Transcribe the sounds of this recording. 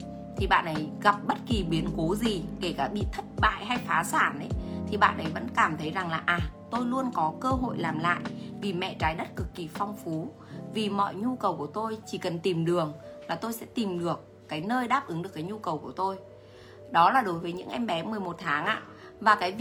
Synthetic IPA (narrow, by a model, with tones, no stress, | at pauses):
t̪ʰi˨˩ɓa̰ː˧˨nʔə˨˦jɣa˨˩p̚ɓə˦˥t̚ki˨˩ɓi˨˦ənko˨˦zi˨˩ke˧˩kaː˧˩ɓḭ˧˨t̪ʰə˦˥t̚ɓa̰ː˧˨jɦa˧jfaː˨˦saː˧˩nʔə˨˦jt̪ʰi˨˩ɓa̰ː˧˨nʔə˨˦jvə̰˧˥nkaː˧˩mt̪ʰə˨˦jza˨˩ŋlaː˨˩ʔaː˨˩t̪o˧jlu˧ənkɔ˨˦kəː˧ɦo̰˧˨jlaː˨˩mla̰ː˧˨jʔvi˨˩mɛ̰˧˨t͡ɕaː˨˦jɗə˦˥t̚kɨ˨˩kːi˨˩fɔ˧wŋ͡mfu˨˦ | vi˨˩mɔ̰˧˨jɲu˧kə˨˩wku˧˩ət̪o˧jt͡ɕi˧˩kə˨˩nt̪i˨˩mɗɨ˨˩əŋlaː˨˩t̪o˧jsɛ̰˧˥t̪i˨˩mɗɨ˨˩əkːaː˨˦jnəː˧jɗaː˦˥p̚ʔɨ˨˦ŋɗɨ˨˩əkːaː˨˦ɲu˧kə˨˩wku˧˩ə˩t̪o˧j | ɗɔ˨˦laː˨˩ɗo˨˦jvəː˨˦jɲɨ̰˧˥ŋʔa˧jŋ̟ɓɛ˨˦mɨ˨˩əjmo˨˩t̚t̪ʰaː˨˦ŋʔa̰ː˧˨ | vaː˨˩kaː˨˦j